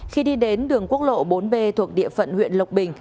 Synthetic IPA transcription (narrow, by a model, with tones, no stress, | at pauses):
xi˧ɗi˧ɗe˨˦nɗɨ˨˩əŋku˦˥ək̚lo̰˧˨ɓo˨˦nɓe˧t̪ʰu˨˩ək̚ɗḭ˧˨əfə̰˧˨nhwḭ˧˨ənlə˨˩wk͡p̚ɓï˨˩ŋ̟